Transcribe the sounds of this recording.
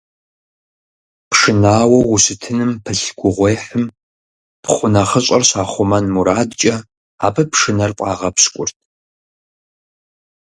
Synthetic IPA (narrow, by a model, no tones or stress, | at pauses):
pʂɨnaːwɐwʊsɨtʰɨnɨmpʰɨɬɡ̥ʷʊʁʷeːħɨm | pχʷʊnaχəɕʼɐrɕaːχʷʊmɐnmuɾaːdt͡ʃʼɐ | aːpʰɐpʰʂɨnɐrqʷʼɑːʁɐpskʷʼʊrtʰ